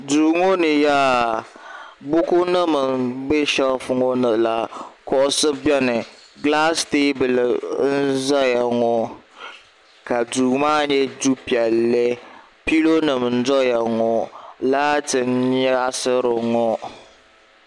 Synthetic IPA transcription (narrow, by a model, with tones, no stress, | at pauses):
duː˨ŋo˦nɨ˨jaː˦ | bʊ˦kʊ˦nɨ˦mɨ˨be˦ʃɛ˦lfʊ˦ŋo˦nɨ˨la˨kɔ˦ʔʊ˦sɨ˦bɛ˦nɨ˨ɡla˦steː˦bɨ˨lɨ˨n̩˦za˦ja˨ŋɔ˦ | ka˨duː˨maː˦ɲɛ˦du˦pi˨ɛ˨lːɨ˦ | pi˦lo˦nɨ˨m˨n̩˦dɔ˦ja˨ŋɔ˨laː˦tɨ˨nɲɛ˦sɨ˦ɾɨ˨ŋɔ˦